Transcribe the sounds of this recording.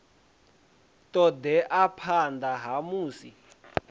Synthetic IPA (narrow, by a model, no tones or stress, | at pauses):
tɔd̪ɛʔapʰand̪aɦamuːsḭ